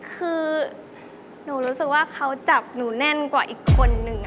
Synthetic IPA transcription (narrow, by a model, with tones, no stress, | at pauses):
kʰɯː˧ | nuː˨˩˦ɾuː˦˥sɯ˨˩k̚waː˥˩kʰa˦˥wt͡ɕa˨˩p̚nuː˩˦nɛ˥˩˨nkwaː˨˩ʔiː˨˩kʰːo˧nːɯ˧ŋ